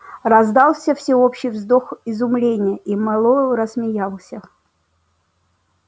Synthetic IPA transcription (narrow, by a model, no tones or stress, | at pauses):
rɐzd̪ɑlˠfsʲəfsʲɪopɕːɪjvzd̪oxɪzʊmlʲenʲɪjəʔimɑlˠoɾəsmʲɪjalˠsʲə